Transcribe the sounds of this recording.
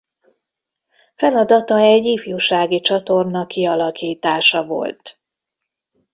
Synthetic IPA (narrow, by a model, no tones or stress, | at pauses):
fɛlɒd̪ɒt̪ɒɛɟːiːfjuːʃaːɡit͡ʃɒt̪o̞rnɒkiɒlɒkiːt̪aːʃɒvo̞̰lt̪